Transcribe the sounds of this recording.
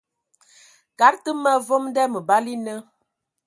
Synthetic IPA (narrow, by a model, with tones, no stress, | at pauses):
ka˨˦ɾtə˦ma˦vo˦mdɛ˦mə˨ba˦li˦nə˦